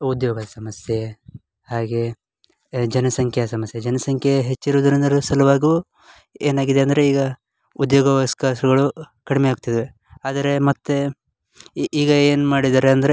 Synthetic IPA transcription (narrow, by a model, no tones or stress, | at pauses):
ud̪joːɡɐd̪ɐsɐmɐsje | haːɡe | d͡ʒɐnɐsɐŋkʰjɐsɐmɐsjɐd͡ʒɐnɐsɐŋkʰjɐɦet͡ʃːiɾuːd̪ɐɾind̪ɐɾusɐlɐʋaːɡuː | eːnaːɡid̪eɐnd̪ɐɾe̞iːɡɐ | ud̪joːɡɐʋɐskaʃɐɡɐɭu | kɐɽimeaːɡut̪ɐd̪e | aːd̪ɐɾe̞mɐt̪ːe | iːɡɐeːnmaːɽid̪aːɾeɐnd̪ɐɾe